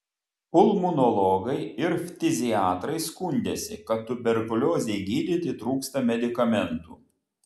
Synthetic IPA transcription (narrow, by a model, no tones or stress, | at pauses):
ʊlˠmʊnɔlˠɔɡɐɪɪɾfʲt̪ʲɪzʲɪɑːt̪ɾɐɪskʊnʲd̪ʲesʲɪ̰kɐt̪t̪ːʊbʲɛɾkʊlʲoːzʲɛɪɡʲiːd̪ʲɪt̪ʲɪt̪ɾuːkst̪ɐmʲɛd̪ʲɪkɐmʲɛnt̪ṵː